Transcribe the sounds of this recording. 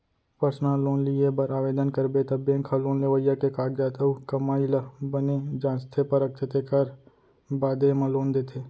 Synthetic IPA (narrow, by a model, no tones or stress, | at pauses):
pəɾsnaloːnlɪebəɾaːʋeːd̪ənkəɾbet̪əbjẽkʰaloːnleʋəjakekaːɡjaːt̪ʰəukəmaːiləbəned͡ʒãːnst̪ʰepəɾək̪̚ʰet̪ekəɾ | baːd̪emãloːnd̪eːt̪ʰeː